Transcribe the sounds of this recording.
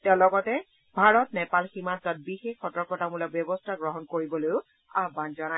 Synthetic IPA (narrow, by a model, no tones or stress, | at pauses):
tɛʊ̃lɔɡɔtɛ | bʱaɹɔtnɛpalximantɔt̚bixexːɔtɔɹkɔtamulɔk̚bjɔbɔstʰaɡɹɔɦɔnkoɹibɔlojʊ | abbanzɔna